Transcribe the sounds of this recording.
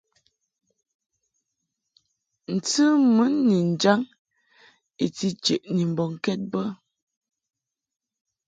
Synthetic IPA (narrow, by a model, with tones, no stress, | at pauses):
n̩˨tɨ˦mə˨˦nːi˨n̩˨d͡ʒa˦ŋ | i˨ti˦t͡ʃe˨ʔni˨m̩˨bɔ˨ŋ˨kɛ˦t̚bə˦